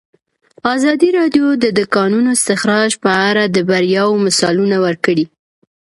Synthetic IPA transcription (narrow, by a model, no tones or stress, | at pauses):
ɑzɑd̪iɾɑd̪jod̪əd̪ʊkɑnunoɪst̪ɪxɾɑʒpəaɾad̪əbaɾjɑwomasɑlunawəɾkəɽi